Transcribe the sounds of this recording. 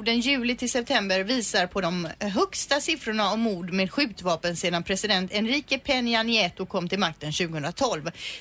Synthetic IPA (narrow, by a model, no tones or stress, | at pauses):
d̪ənjʉ̟ːlɪt̪ʰɪlsɛp̚t̪ʰɛmbəɾviːsaɾpʰɔd̪ɔmɦœkst̪asɪfɾʊɳaɔmːuːd̪meːd̪ɧʉ̟ːt̪vɑːpənseːd̪anpʰɾɛsɪd̪ɛnt̪ɛnɾiːkəpʰɛnɪanɪɛːt̪ʊkʰɔmːt̪ɪlmak̚t̪ənɕʉ̟ːɡəhɵnd̪ɾat̪ʰɔlv